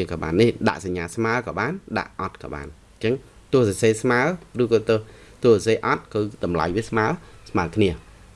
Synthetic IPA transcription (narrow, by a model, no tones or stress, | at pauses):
əkɑːɓa̰ːnːihɗa̰ʔsaɲːaːsmaəkɑːɓaːnɗa̰ʔʔɑt̪̚kɑ̰ːɓa̰ːn | t͡ɕəŋ | t̪ʊ̆əhsɑseːsmaərɨhkɑt̪ɨ | t̪ʊ̆əhsseːʔɑt̪̚kɨɗ̪ɑmla̰jʋiəsmaəsmaəkʰniə